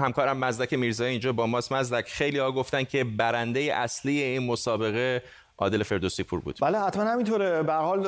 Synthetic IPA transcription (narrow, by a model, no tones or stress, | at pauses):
hæmkʰɒːɾæmːæzd̪ækʰe̞miːɾzɒːjiiːnd͡ʒɒːbɒːmɒːsmæzd̪æcʰxejliːhɒːɡo̞ft̪ænd̪kcʰe̞bæɾænd̪ejeʔæsliːjeiːnmo̞sɒːbe̞ɣe̞ | ʔɒ̰ːd̪e̞lefe̞ɾd̪osipʰṵːɾbṵːd̪̥bæːlehæt̪mænhæmint̪ʰoːɾebæɾhɒːl